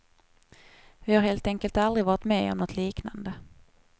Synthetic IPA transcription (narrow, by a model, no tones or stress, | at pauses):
vɪhaɾheːlt̪ɛŋkəlt̪ald̪ɾɪvɑːɾɪt̪meːɔ̰mnɔt̪ʰliːkna̰nd̪ə